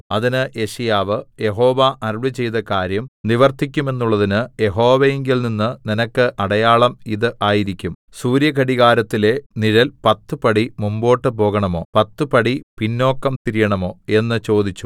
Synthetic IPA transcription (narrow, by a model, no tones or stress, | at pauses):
ɐðinɨʔe̞ʂɐjaːʋɨje̞ɦo̞ːʋɐʔɐrʋɨt͡ɕe̞jðɐkaːɾjɐmniʋɐrt̪ik̬ʲːume̞nːuɭːɐðinɨje̞ɦo̞ːʋejeŋɡilninːɨninɐkːɨʔɐɽɐjaːɭɐmiðɨʔaːjiɾikʲːum | suːɾjɐkɐɽiɣaːɾɐt̪ːile̞niɾɐlpɐt̪ːɨpɐɽimumbo̞ːʈːɨp̬o̞ːɣɐɳɐmo̞̰ːpɐt̪ːɨpɐɽipinːo̞ːkːɐmt̪iɾijɐɳɐmo̞ːe̞nːɨt͡ɕo̞ːd̪it͡ɕːu̥